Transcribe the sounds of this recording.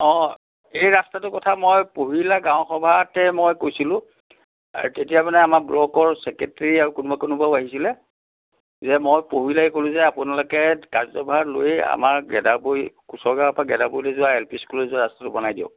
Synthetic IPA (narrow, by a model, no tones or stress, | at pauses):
ɔ | ejɹastatʊkɔtʰamojpoɦilaɡãʊ̃xɔbʱatɛmojkojsilʊ̃ | a̰ɹutetijamanɛamakblɔkɔɹsɛketɹiaɹukunubakonʊbaʊaɦisilɛ | zɛmojpoɦilaɛkolʊ̃zɛapʊnalokɛkaɹzɔbʱaloja̰maɹɡɛ̰dabojkusɔɡaapaɡɛdabojlɛzʊaelpiskulɛzʊaɹastatʊbɔnajdiɔ̰̃